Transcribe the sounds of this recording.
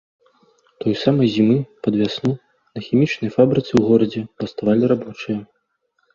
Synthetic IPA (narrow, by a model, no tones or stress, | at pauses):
t̪ɔjsamɐjzʲimɨpɐd̪vʲasnu | nɐxʲimʲit͡ʂnɐjfabɾɨt̪sɨwɣɔɾɐd͡zʲɛpɐst̪avalʲiɾabɔt͡ʂɨjɐ